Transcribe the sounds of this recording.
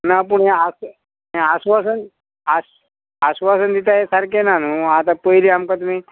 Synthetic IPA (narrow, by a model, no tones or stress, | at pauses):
nap̬əɳjãas | jãːsʋasən | as | asʋasənd̪it̪ajesaɾkenanuat̪apəiliamkat̪̬um̤iː